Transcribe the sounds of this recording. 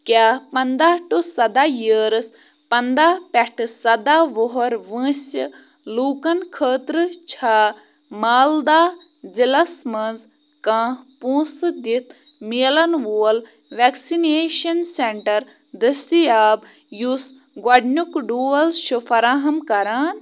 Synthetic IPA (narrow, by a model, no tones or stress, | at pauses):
kʲaːpɐnd̪aːʈusɐd̪aːjiːɾɨs | pɐnd̪aːpɐʈʰɨsɐd̪aʋoɦɐɾʋɨ̃ːs | luːkɐnkʰəːt̪ɾɨt͡ʃʰaː | maːld̪aː | zilɐsmɐnz | kãːpũːsɨd̪it̪ʰ | miːlɐnʋoːl | ʋeːksineːʃɐnseɳʈɐɾ | d̪ɐst̪ijaːb | jus | ɡwɐɖnukɖuːɐlʃufɐɾaːɦɐmkɐɾaːn